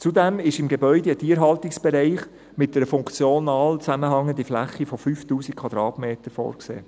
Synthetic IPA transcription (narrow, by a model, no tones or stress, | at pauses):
t͡sud̪ɛmɪʃɪmɡebœʏdəətʰiːəɾɦɑltɪksb̥ɛɾɛɪχ | mɪt̚d̥ɛɾəfʊŋkt͡sjonɑːlt͡sæməɦɑŋənd̥̪iflæ̰χifɔfyːftuːsikʰʋɑd̪̥ɾɑːtmeːtəɾfɔ̰ːɾksḛː